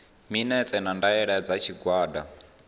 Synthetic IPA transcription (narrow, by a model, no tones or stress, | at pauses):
minɛt͡sʼɛnandaɛɺɛd͡zat͡ʃʰiɡwaːda